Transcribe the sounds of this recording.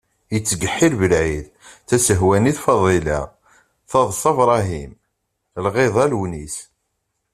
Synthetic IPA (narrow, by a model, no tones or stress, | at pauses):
jət͡sːɡəħːɪɾvəlʕið | θæsəɦwæniθfɑðˤela̰ | θɑðˤsɑvɾˤɑɦim | lʁeðˤælwnis